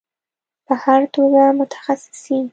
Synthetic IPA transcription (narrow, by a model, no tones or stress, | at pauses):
pəhaɾt̪oɡamʊt̪ʰḁxasɪ̥sin